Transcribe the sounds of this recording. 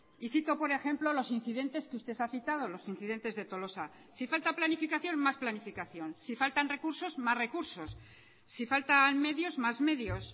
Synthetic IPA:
iθit̪o̞po̞ɾe̞xe̞mplo̞lo̞sin̟θiðe̞nt̪e̞skeust̪e̞θaθit̪að̞o̞lo̞sin̟θiðe̞nt̪e̞zðe̞t̪o̞lo̞sa | sifalt̪aplanifikaθjo̞nmasplanifikaθjo̞nsifalt̪anre̞kuɾso̞zmasre̞kuɾso̞sː | ifalt̪anme̞ðjo̞zmazme̞ðjo̞s

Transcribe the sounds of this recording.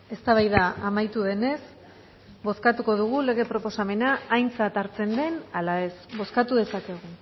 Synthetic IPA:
e̞st̪aβ̞ajðaamajt̪uðe̞ne̞s | bo̞skat̪uko̞ðuɣ̞ule̞ɣe̞pɾo̞po̞same̞naːjnt͡sat̪aɾt͡se̞nd̪e̞nalae̞sβo̞skat̪uðe̞sake̞ɣ̞u

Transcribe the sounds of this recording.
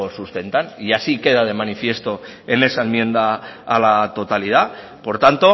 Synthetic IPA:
osust̪e̞nt̪aniasike̞ðað̞e̞manifje̞st̪o̞ | e̞ne̞saenmjẽ̞nd̪aːlat̪o̞t̪alið̞a | po̞ɾt̪ant̪o̞

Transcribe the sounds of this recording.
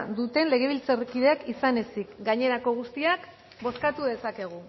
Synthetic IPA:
d̪ut̪e̞nle̞ɣ̞e̞β̞ilt͡serkiðe̞akisane̞sikɡaɲe̞ɾako̞ɣ̞ust̪iak | bo̞skat̪uðe̞sake̞ɣ̞u

